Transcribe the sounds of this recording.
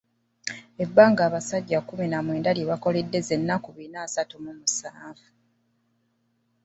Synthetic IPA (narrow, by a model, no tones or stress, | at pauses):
e̞bːaːŋɡaːβasaɟːakuminamwe̞ːndaljeβako̞ledːe̞ze̞nːakuβinaːsatumumusaːvu